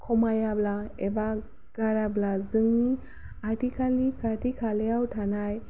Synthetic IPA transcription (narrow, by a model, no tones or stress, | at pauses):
kʰɔmajablaeba | ɡ̥aɾablad͡zəŋi | aʈikʰalikaʈikʰaljawʈʰanaj